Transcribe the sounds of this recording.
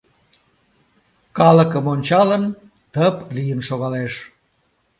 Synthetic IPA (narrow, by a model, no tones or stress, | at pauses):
kɑləkəmonʲt͡ɕɑlən | t̪əplijənʃoɣɑleʃ